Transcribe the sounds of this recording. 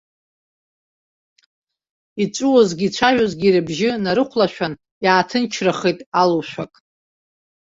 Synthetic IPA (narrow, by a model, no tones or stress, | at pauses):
it͡ʃʷʼuwozɡʲit͡ʃʷʰaʒᶣozɡʲiɾɨbʒɪnaɾɨqʷʰlaʃᶣʷan | jaːtʰɨnt͡ʃʰraχejtʼalowʃʷᶣakʼ